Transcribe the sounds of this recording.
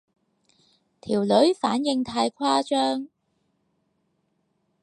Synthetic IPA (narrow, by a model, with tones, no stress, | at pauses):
t̪ʰiː˨˩wlɵ˨˥ɥfaː˨˥njɪ˧ŋt̪ʰaː˧jkʰaː˥t͡ʃœː˥ŋ